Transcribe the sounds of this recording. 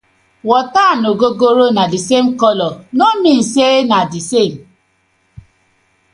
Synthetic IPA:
wɔtanoɡoɡoɾonadisem̩kɔlɔnomin̩senadisem̩

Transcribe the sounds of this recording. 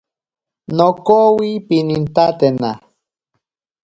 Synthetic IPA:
nokowipinint̪at̪ena

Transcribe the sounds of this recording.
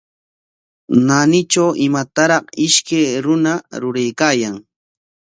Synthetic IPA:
nanɪt͡ʃawɪmat̪aɾɑqɪʃkajɾʊnaɾʊɾajkaːjaŋ

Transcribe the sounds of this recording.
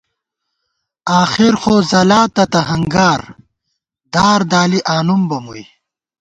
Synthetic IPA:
aːxiɾxoːzɐlaːt̪ɐt̪ɐɦɐŋɡaːɾ | d̪aːɾd̪aːliʔaːnumbɐmuji

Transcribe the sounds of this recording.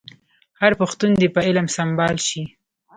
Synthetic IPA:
haɾpʊxt̪und̪epəɪlamsambɑlʃi

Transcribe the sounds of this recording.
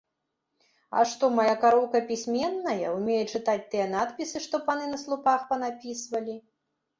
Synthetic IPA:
ɐ̰ʂt̪ɔmajakaɾɔwkɐpʲisʲmʲɛnːɐjɐwmʲejɛt͡ʂɨt̪at͡sʲt̪ɨjɛnat̪pʲisɨʂt̪ɔpanɨnɐslˠupaxpɐnapʲisvɐlʲi

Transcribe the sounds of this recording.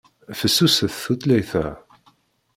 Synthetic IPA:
fəsːusəθθut̪læjθæ̰

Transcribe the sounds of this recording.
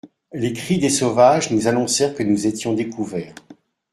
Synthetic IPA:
lekχid̪esɔvaʒnuzanɔ̃sɛʁkənuzet̪jɔ̃d̪ekuvɛːʁ

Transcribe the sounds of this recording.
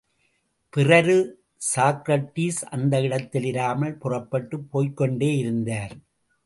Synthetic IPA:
pɪrɐɾɯ | saːkɾɐʈːiːsʔɐnd̪ɐɪɽɐt̪ːɪlɪɾaːmɐɭpʊrɐpːɐʈːɯpːoːjkːɔɳɖeːɪɾɯnd̪aːɾ

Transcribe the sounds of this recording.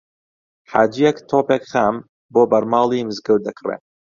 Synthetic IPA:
ħa̰ːd͡ʒijɛkt̪ʰoːpekχaːm | boːbɐɾmɑːlˠimɨzɡɨwd̪ɐkʰrḛ

